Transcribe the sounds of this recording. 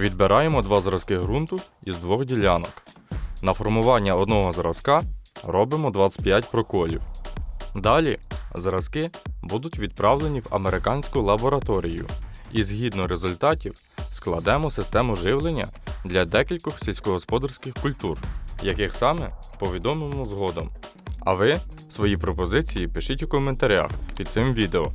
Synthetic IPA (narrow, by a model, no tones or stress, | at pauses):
ʋʲid̪beɾʔɑjemɔd̪ʋɑzɾɐskɪɦɾunt̪ʊizd̪ʋɔxdʲilʲɑnɔknɐfɔrmʊʋɑnʲːɐɔd̪nɔɦɔzɾɐz̥kɑɾɔbɪmɔd̪ʋɑɪ̥pʲjatʲpɾɔkɔlʲḭw | d̪ɑlʲizɾɐz̥kɪbud̪ʊtʲʋʲid̪̚pɾɑwlˠenʲiwɐ̰meɾekɑnʲsʲkʊlˠɐbɔɾɐt̪ɔɾʲijʊ̰izɦʲid̪nɔɾezʊlʲt̪ɑtʲiw | sklˠɐd̪ɛmɔsɪst̪ɛmʊʒɪwlˠenʲːɐ̰d̪lʲɐd̪ɛkʲilʲkɔxsʲilʲsʲkɔɦɔspɔd̪ɐrsʲkɪxkʊlʲt̪urjɐkɪxsɑmɛpɔʋʲid̪ɔmɪmɔzɦɔd̪ɔm | ɐ̰ʋɪ | sʋɔjipɾɔpɔzɪt͡sʲijipɪʃɪtʲwkɔment̪ɐɾʲa̰xpʲid̪sɪmʋʲid̪eɔ